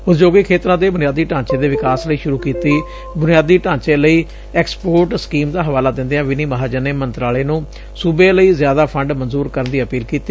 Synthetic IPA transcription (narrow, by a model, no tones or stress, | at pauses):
ɦʊt̪d͡ʒoːɡikʰeːt̪əɾãːd̪eːbʊnɪjaːd̪iːʈãːt͡ʃẽːd̪eːʋɪkaːsləiːʃʊɾuːkiːt̪iː | bʊnɪjaːd̪iːʈãːɲt͡ʃẽːləiː | ɛːkspoːɾʈskiːmd̪aːɦəʋaːlaːd̪ɪ̃nd̪eːãːʋɪniːməɦaːd͡ʒəneːmənt̪ɾaːleːnũː | suːbẽːləiːzjaːd̪aːpʰəɳɖmənzuːɾkəɾənd̪iːəpiːlkiːt̪iː